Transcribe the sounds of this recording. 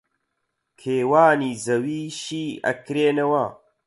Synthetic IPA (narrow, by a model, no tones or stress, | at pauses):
kʰeːwaːniːzɐwiːʃiːɐ̰kɾeːnɐwɐ